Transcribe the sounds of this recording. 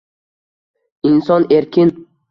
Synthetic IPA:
insɒneɾkʲɪn

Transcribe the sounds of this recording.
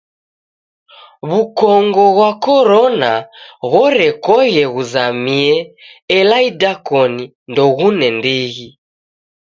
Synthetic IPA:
βukɔŋɡɔɣwakɔɾɔnaɣɔɾɛkɔɣɛɣuzamiɛɛlaidakɔni | ndɔɣunɛmbiɣi

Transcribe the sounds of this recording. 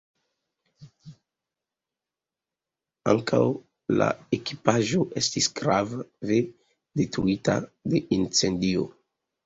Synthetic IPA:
aŋka̰w | la̰eki̥paʒo̞ʔe̞stisɡ̥ɾavave | detɾuita̰de̞ʔint͡se̞ndio̰

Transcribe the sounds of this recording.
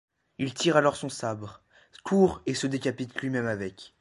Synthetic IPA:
ilt̪iʁalɔʁsɔ̃sabʁ | kʰuʁesəd̪ekʲapit̪lɥimɛmavɛkʲ

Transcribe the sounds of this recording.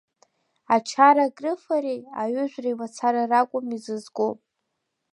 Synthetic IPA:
at͡ʃʰaɾaɡʼrɨfaɾeja̰ɥʏʒʷᶣrajmat͡sʰaɾarakʷʼʊmizɨzɡʷʼopʼ

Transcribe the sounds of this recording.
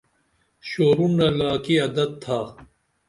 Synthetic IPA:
ɕoːɾunɐlaːkiɐd̪ɐd̪̚t̪ʰːaː

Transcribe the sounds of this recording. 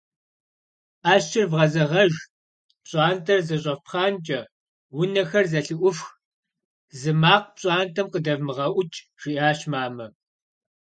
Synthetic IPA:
ʔaːʃt͡ʃʰɪrvʁɐzɐʁɐʒ | pɕʼɑːntʰɐrzɐɕ̬ʼɐpχɑːnt͡ʃʼɐ | wʊnɐxɐrzɐɬɨʔʷʊfx | zɨmaːq̚pɕʼɑːntʰɐmqədɐvmɨʁɐʔʷʊt͡ʃʼ | ʒ̥iʔaːɕmaːmɐ

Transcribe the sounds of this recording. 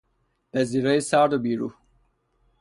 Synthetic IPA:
bɛziɾjsaːɾd̪obiɾṵ

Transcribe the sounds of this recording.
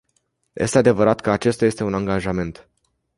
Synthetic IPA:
jʔe̞st̪e̞ad̪e̞vəɾat̪kəat͡ʃe̞st̪aje̞st̪eunaŋɡaʒame̞nt̪

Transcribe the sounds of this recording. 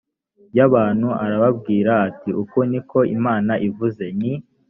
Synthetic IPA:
jaβaːnhuʔaɾaβabɡiːɾaːtiʔukoniko̞ḭmaːnaʔivuze̞ni

